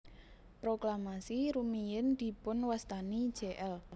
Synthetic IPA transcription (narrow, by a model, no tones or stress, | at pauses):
pɾoklamasiɾumijɪnd̪̥i̤pʊnwast̪ani̥ʒ̥eʔɛl